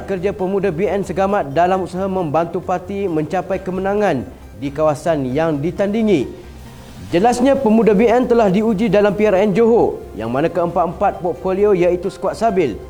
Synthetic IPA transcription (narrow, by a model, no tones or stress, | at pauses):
kərd͡ʒapəmudabiɛnsəɡamat̪̚dalamusaɦamə̃mbant̪upart̪imə̃ɲt͡ʃapajkəmənãŋãn | dikawasanjaŋdit̪andiŋĩ | d͡ʒəlasɲãpəmudabiɛnt̪əlahdiud͡ʒidalampiarɛnd͡ʒoɦoja̰ŋmanãkəəmpat̪̚əmpat̪̚pɔt̪̚foliojait̪usə̥kuat̪̚sabɪl